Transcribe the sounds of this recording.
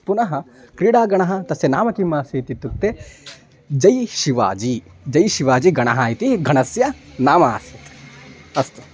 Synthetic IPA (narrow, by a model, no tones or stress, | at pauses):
punɐɦɐ | kɾiːɽaːɡɐɳɐɦɐ̆t̪ɐsjɐnaːmɐkimːaːsit̪it̪ːut̪ːe | d͡ʒɐjʃiʋa̰ːd͡ʒi | d͡ʒɐjʃiʋaːd͡ʒiɡɐɳɐɦaːjt̪iɡʱɐɳɐsjɐnaːmaːsit̪ɐst̪u̥